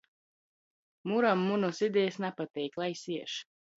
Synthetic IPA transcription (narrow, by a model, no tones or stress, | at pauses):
muɾamːunɔsid̪ɛjsnapat̪ɛjklˠajsiɛʃ